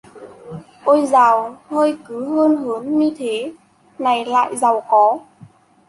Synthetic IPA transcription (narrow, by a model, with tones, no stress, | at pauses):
ʔo˧jzaː˨˩whəː˧jkɨ˨˦ɦəː˧nɦɨ˨˦ənɲi˧t̪ʰe˨˦ | na˨˩jla̰ː˧˨jza˨˩wxɔ˨˦